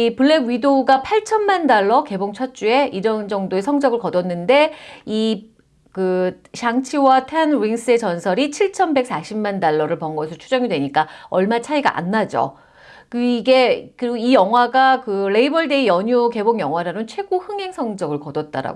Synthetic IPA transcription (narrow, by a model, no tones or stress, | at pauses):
ipɯɭːe̞ɡɥidoɡapʰaɭt͡ɕʰʌnmandaɭːʌke̞boŋt͡ɕʰʌt͡ɕ͈ue̞iɾʌnd͡ʑʌŋdoe̞sʰʌŋd͡ʑʌɡɯɭkʌdʌnːɯnde̞i | kɯɕʰaŋt͡ɕʰiwatʰanɾiŋs͈ɯe̞t͡ɕʌnsʰʌɾit͡ɕʰiɭt͡ɕʰʌnbek̚s͈ʰaɕʰimmandaɭːʌɾɯɭpʌŋɡʌsʰɯt͡ɕʰud͡ʑʌŋidwe̞ɲik͈aʌɭmat͡ɕʰaiɡa̰ʔa̰nːad͡ʑo̰ | kɯiɡe̞kɯɾiɡoijʌŋɦwaɡakɯɾe̞ibʌɭde̞ijʌɲuke̞boŋjʌŋɦwaɾanɯnt͡ɕʰwe̞ɡohɯŋɦe̞ŋsʰʌŋd͡ʑʌɡɯɭkʌdʌt̚t͈a̰ɾa̰ɡ